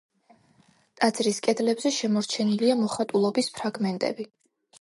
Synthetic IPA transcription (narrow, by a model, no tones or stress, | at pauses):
t̪ʼad̪z̥ɾiskʼɛd̪lɛbzɛʃɛmɔɾt͡ʃʰɛniliamɔχat̪ʼulˠɔbispʰɾaɡmɛnt̪ʼɛ̰bi